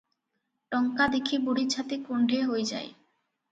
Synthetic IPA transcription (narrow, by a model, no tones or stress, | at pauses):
ʈɔŋkad̪ekʰiboɽit͡ɕʰat̪ikoɳɖʱeɦojd͡ʑa̰ḛ